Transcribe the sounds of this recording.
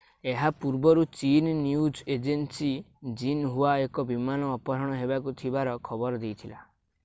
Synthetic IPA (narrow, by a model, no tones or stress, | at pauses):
eɦapuɾbɔɾut͡ʃinnjud͡ʒed͡ʒensid͡ʒinɦuaekɔbimanɔːpɔɾɔɽ̃ɔɦebakut̪ʰibaɾɔkʰɔbɔɾɔd̪ejt̪ʰila̰